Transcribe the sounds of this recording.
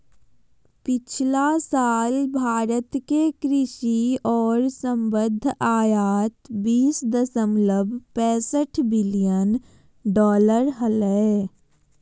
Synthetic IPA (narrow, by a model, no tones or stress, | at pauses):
pɪt͡ʃʰlasaːlbʱaːɾət̪kekɾɪʃiɔːɾsə̃mbəd̪ʱːaːjaːt̪biːsd̪əsəmləbʱpɛ̃ːsəʈʰbɪlijən | ɖɔːləɾɦələ